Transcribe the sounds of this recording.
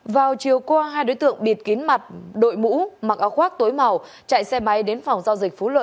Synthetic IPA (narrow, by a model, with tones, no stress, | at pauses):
vaː˨˩wt͡ɕi˨˩əwkɔ˧ɦaː˧jɗo̰˧˦jt̪ɨ̰˧˨əŋɓi˨˩ət̚ki˨˦ənma˨˩t̚ɗo̰˧˨jmṵ˧˥ma˨˩k̚ʔaː˨˧˦wxwaː˦˥k̚t̪o˨˦jma˨˩w | t͡ɕa̰ː˧˨jsɛ˧ma˨˦jɗe˨˦nfa˨˩wŋ͡mzaː˧wzï˨˩k̟̚fu˨˦lwə̰˧˨